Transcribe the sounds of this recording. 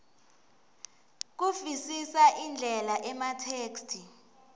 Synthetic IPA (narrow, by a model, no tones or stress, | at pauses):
k̬ufisisaʔind͡ɮʱɛlaʔɛmatʰeːkstʰi